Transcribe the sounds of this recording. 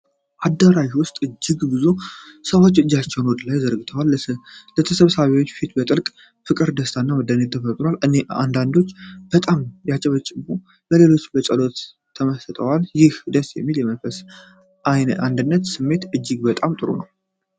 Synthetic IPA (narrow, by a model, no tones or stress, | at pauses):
ʔad̪ːaɾawwʊst̪ʼɨd͡ʒːɪɡbɨzosəwo̞t͡ʃːɨd͡ʒat͡ʃːɛwnwɔd̪lajzəɾɡɨt̪ʰəwalːlət̪ʰəsəβsaβiwo̞t͡ʃːfit̪bət̪ʼɨlkʼ | fɨkʼɨɾd̪əst̪ʰanːamɨd̪ənet̪ʰːəfət̪ʼɾoalʔɨne̞a̰nd̪and̪o̞t͡ʃːb̥ət̪ʼamjat͡ʃʼɛβət͡ʃʼːɪmo | bəle̞lo̞t͡ʃːbət͡ʃʼəlo̞t̪ʰː | əməsət̪ʼəwaljɪhd̪əsjɛ̰mːiljɛməfəs | aja̰nd̪ɨnːət̪sɨmːe̞t̪ɨd͡ʒːɨɡbət̪ʼamt̪ʼɨɾo̰nə̰w